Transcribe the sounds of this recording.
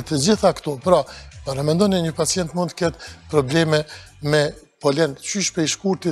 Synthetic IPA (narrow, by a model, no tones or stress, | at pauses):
t̪əd͡ʑiθakt̪ɔpɾapaɾamɛnd̪ɔniɲəpat͡sijɛnt̪munt̪ə̥kɛt̪pɾɔblɛmɛ | mɛ | pɔlɛnt͡ʃyʃpɛjʃkuɾt̪i